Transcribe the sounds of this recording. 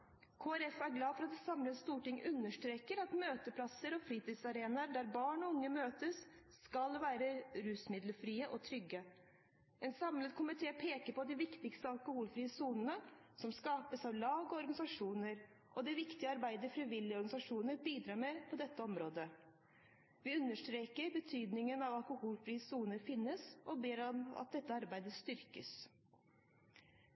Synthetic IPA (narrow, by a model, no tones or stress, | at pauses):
kʰoːæɾɛfæɾɡlɑːfɔɾɑt̪̚d̪ɛsɑmlət̪st̪uːʈɪŋːʉnːəʂʈɾeːkəɾɑt̪møːt̪əpʰlɑsəɾɔfɾiːt̪iːsɑɾeːnɑɖ̪æɾbɑːɳɔʊŋːəmøːt̪əsː | kɑlʋæːɾəɾʉːsmɪd̪ləfɾiːəʔɔt̪ʰɾʏɡə | ɛnsɑmləd̪kʰʊmɪt̪ʰeːpʰeːkəɾpɔd̪ɪʋɪkt̪ɪkst̪əɑlˠkʊhuːlfɾiːəsuːnənəsɔmskɑːpəsɑʋlɑːɡɔɔɾɡɑnɪsɑʂuːnəɾ | ʔɔd̪ɪʋɪkt̪ɪəɑɾbæɪd̪əɾfɾiʋɪljɪɔɾɡɑnɪsɑʂuːnəɾbiːd̪ɾɑːɾmɛpʰɔd̪ɛt̪ːəɔmɾoːd̪ə | ʋɪʉnːəʂʈɾeːkəɾbət̪ʰyːd̪nɪŋənɑʋɑlkʊhuːlfɾiːəsuːnəɾfɪnːəsɔbeːɾɔmɑ̰t̪̚d̪ɛt̪ːəɑɾbæɪd̪əst̪ʏɾkəs